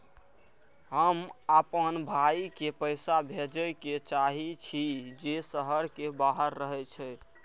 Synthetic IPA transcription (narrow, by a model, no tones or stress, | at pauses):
ɦəmapənbʱaikepəɪsabʱed͡ʒəket͡ʃaɦit͡ʃʰid͡ʒesəɦəɾkebaɦəɾːəɦɛt͡ʃʰɛ